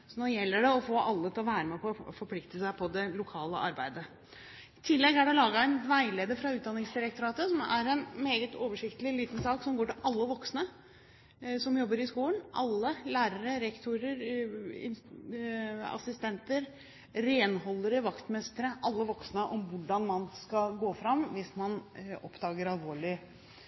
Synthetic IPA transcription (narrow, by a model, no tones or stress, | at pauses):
snɔɾjɛlːəɖɛɔfoːʔɑlːət̪ʰɪlɔʋæːɾəmɛpɔfɔɾpʰlɪkt̪əsæɪpʰɔd̪ɛlʊkʰɑːlə̰ʔɑɾbæɪd̪ə | ɪt̪ʰɪlːɛɡæɖɛlɑːɡɑæɪnʋæɪleːd̪əfɾɑʉːt̪̚d̪ɑnɪŋsd̪ɪɾək̚t̪ʊɾɑːt̪əsɔmæ̰ɾɛnmeːɡət̪ʰoːʋəʂɪkt̪əlɪliːt̪nsɑːksɔmɡoːʈɪlʔɑlːəʋɔksnə | sɔmjɔbːəɾɪskuːlənʔɑlːəlæːɾəɾəɾɛkt̪ʰʊɾəɾɪ̰n | ɑ̰sɪst̪ɛnt̪əɾ | ɾeːnɦɔlːəɾəʋɑkt̪mɛst̪əɾəʔɑlːəʋɔksnəʔɔmʋʊɖɑnmɑnskɑɡoːfɾɑmʋɪsmɑnɔpːd̪ɑːɡəɾɑlʋoːɭɪ